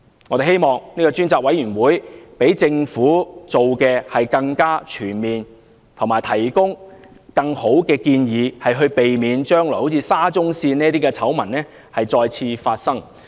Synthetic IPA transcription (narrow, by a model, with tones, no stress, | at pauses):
ŋɔː˨˧t̪e˨˩ɦhe˥jmɔː˨ŋniː˥kɔː˧t͡ʃyː˥nt͡saː˨k̚wɐ˨˥jyː˨˩nwuː˨˥jpe˨˥jt͡sɪ˧ŋfuː˨˥t͡so˨wkɛː˧hɐ˨jkɐ˧ŋkaː˥t͡ʃʰyː˨˩nmiː˨n | t̪ʰʊ˨˩ŋmaː˨˩jt̪ʰɐ˨˩jkʊ˥ŋ | kɐ˧ŋho˨˥wkɛː˧kiː˧njiː˨˧hɐ˨jɦɵ˧ɥpe˨jmiː˨˧nt͡ʃœː˥ŋlɔ˨˩jho˨˥wt͡siː˧saː˥t͡sʊ˥ŋsiː˧niː˥ɐt̪̬iː˥kɛ˧t͡sʰɐ˨˥wmɐ˨˩nnɛː˥ | hɐ˨jt͡sɔː˧jt͡sʰiː˧faː˧t̚sɐ˥ŋ